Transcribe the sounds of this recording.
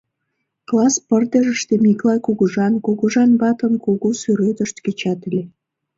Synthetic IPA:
klɑspərt̪əʒəʃt̪emiklˠɑjkuɣuʒɑnkuɣuʒɑnbɑt̪ə̆nkuɣusyɾøt̪əʃt̪ket͡ɕɑt̪elʲe

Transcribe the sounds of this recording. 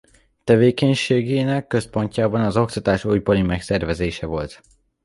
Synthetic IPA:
t̪ɛveːkɛɲʃeːɡeːnɛkːø̞spo̞ɲcaːbɒnɒzo̞kt̪ɒt̪aːʃujbɒɾimɛksɛrvɛzeːʃɛvo̞lt̪

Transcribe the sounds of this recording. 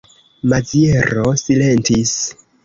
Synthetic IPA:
mazie̞ɾosile̞ntis

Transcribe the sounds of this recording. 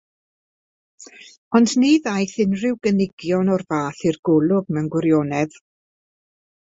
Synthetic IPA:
ɔndniːðajθɪnrɪwɡənɪɡjɔnɔrvaːθirɡʊlˠʊɡmɛwnɡwɪɾjoːnɛð

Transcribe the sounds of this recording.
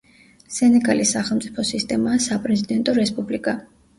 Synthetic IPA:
sɛnɛɡalisːaχɛlˠmt̪sʼipʰɔsist̪ʼɛmaːsapʼɾɛzid̪ɛnt̪ʼɔɾɛspʼublikʼa

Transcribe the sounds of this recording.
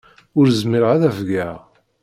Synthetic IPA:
ʊɾzmɪɾʁæðævɡæ

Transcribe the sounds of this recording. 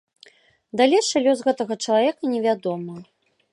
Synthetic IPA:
d̪alʲejʂɐlʲɔsɣɛt̪ɐɣɐt͡ʂɐlˠavʲɛkɐnʲɛvʲad̪ɔmɐ

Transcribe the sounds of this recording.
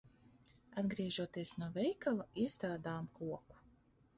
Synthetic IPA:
ad̪ɡɾiɛʒuɔt̪iɛsnuɔvɛjkalˠaiɛst̪ɾaːd̪aːmkuɔku̥

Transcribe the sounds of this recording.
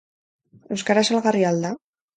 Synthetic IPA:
uskaɾasalɣariald̪a

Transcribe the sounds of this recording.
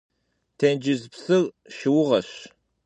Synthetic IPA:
tʰeːnd͡ʒɪzpsɨr | ʃɪwʊʁɐɕ

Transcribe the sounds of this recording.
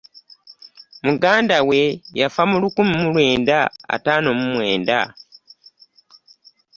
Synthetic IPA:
muɡaːndawe̞jafamulukumimulwe̞ːndaa̰taːno̞mumwe̞ːnda̰

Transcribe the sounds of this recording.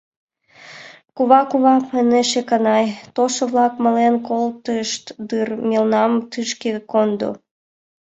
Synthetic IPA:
kuβɑkuβɑpəneʃekənɑjt̪oʃəβlɑkmə̆lenkolt̪əʃt̪d̪ɨrmʲilnɑmt̪ɨʃkekond̪o̰

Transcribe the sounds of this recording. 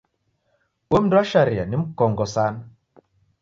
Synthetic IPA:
womdwaʃaɾia̰nim̩kɔŋɡɔsan

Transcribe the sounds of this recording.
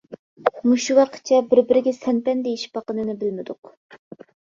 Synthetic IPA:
muʃuwɑqʰə̥t̪̚t͡ʃʰɛbɪɾbɪɾɪɡʲɛsɛnpɛnd̪ejiʃi̥pɑqənɨnɨbɪlmɪd̪ʊq

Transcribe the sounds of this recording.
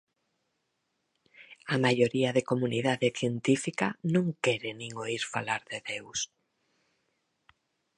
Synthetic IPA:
amajoɾiɐðekomuniðaðɪθjent̪ifikanõŋkɛɾenĩŋoiɾfalaɾðeðews

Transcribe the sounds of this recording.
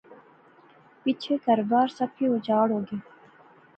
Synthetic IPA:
pit͡ʃʰekɐɾbɑːɾsɐpʰiod͡ʒɑːɽoːɡiː

